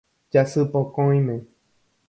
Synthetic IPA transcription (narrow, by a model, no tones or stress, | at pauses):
d͡ʒasɨpokõj̃mẽ